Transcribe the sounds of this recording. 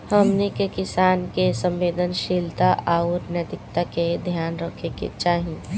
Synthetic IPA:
həmnekekɪsaːnkesə̃mʋeːd̪ənʃiːlt̪aʔaːʊɾnjət̪ɪkt̪aked̪ʱjaːnɾəkʰekḛt͡ʃaːɦĩ

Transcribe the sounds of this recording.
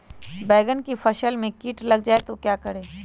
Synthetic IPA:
bɛːɡənkifʰɐʃəlmẽkiːʈlɐɡ̚d͡ʒaːet̪okjaːkəɽeː

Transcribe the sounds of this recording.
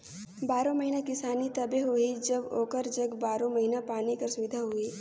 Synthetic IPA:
baːɾõmɐɦinakɪsaːnit̪ɐbeɦoid͡ʒɐboːkəɾd͡ʒɐɡbaːɾõmɐɦinapaːnikəɾsʊʋɪd̪ʱaɦʊiː

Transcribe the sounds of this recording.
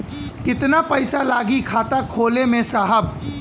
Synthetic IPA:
kɪt̪napɐɪsalaːɡikʰaːt̪akʰoːlemẽsaːɦəb

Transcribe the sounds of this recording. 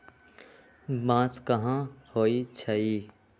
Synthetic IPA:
mãːskɐɦãhoːit͡ʃʰəi

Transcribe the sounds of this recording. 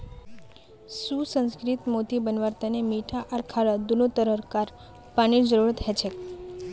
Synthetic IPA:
susə̃nskɾit̪mot̪ibənʋəɾt̪anemiʈʰaʔəɾkʰaɭəd̪unot̪əɾəɾkaɾ | paɽ̃id͡ʒəɾuɾt̪ɦɛt͡ʃʰek

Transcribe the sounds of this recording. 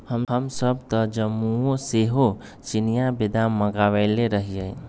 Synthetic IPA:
həmɦəmsəb̚t̪əd͡ʒəmuoseɦo | t͡ʃinijabid̪amːəɡaʋəɪleɾəɦijəj

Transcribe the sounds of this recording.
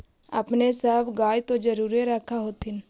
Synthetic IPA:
ə̰pnesəːbɡaːjt̪õd͡ʒəɾuːɾeɾəkʰːaɦoːt̪ɦɪn

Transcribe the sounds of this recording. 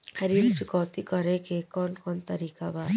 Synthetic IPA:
həɾilt͡ʃukɔːt̪ikəɾekekɔnkɔnt̪əɾiːkabaɾ

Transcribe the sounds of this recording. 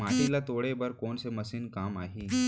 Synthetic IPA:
maʈilat̪oɽebəɾkoɳseməsiːnkamaɦiː

